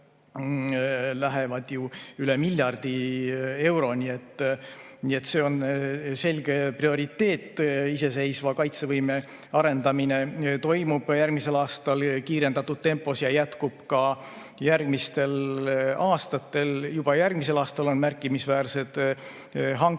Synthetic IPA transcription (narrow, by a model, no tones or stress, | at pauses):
læɦe̞vɑd̪̥juyle̞milʲːjɑrd̪̥ie̞wɾo̞nie̞t̪ːˑ | nie̞t̪ːse̞ːo̞nse̞lʲɡ̥e̞prio̞ɾit̪ːe̞ːt̪ːˑise̞se̞jsvɑkɑjt̪se̞vɤjme̞ | ɑɾe̞nd̪ɑmine̞t̪o̞jmub̥jærɡ̥mise̞lɑːst̪ɑlkiːɾe̞nd̪̥ɑt̪ːud̪̥̚t̪ːempːˑo̞sjɑjæt̪kub̥kɑ | jærɡ̥mist̪e̞lɑːst̪ɑt̪ːˑe̞ljub̥ɑjærɡ̥mise̞lɑːst̪ɑlo̞nmærkːˑimisvæːrse̞d̪̥ | ɦɑŋ